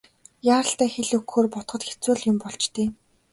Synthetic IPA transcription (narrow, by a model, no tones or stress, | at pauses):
jaːɾə̆ɬt̪æːxeɮɵkxoːrpɔt̪χɞ̆t̪xe̥t͡suːɮjʊmpɔɮt͡ɕt̪eː